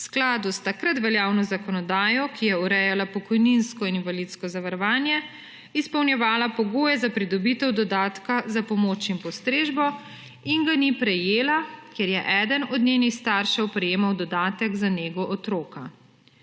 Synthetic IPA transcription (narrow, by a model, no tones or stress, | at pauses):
wsklaːd̪ust̪akɾat̪ʋɛljaːwnɔzakɔnɔd̪aːjɔkijɛuɾɛjalapɔkɔjninskɔininvalit̪skɔzaʋaɾɔʋaːnjɛ | ispɔwnjɛʋaːlapɔɡoːjɛzapɾid̪ɔbit̪ɛwd̪ɔd̪aːt̪kazapɔmoːt͡ʃinpɔst̪ɾeːʒbɔ | iŋɡanipɾɛjeːlakjeɾjɛʔɛːd̪ənɔd̪nʲeːnixst̪aɾʃɛwpɾɛjeːmawd̪ɔd̪aːt̪ɛɡzaneːɡɔʔɔt̪ɾoːka